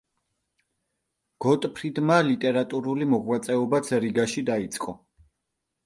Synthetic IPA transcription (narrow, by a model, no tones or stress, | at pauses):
ɡ̥ɔt̪ʼpʰɾid̪malit̪ʼɛɾat̪ʼuɾulimɔʁwat̪sʼɛɔbat̪sʰɾiɡaʃid̪ait̪sʼqʼɔ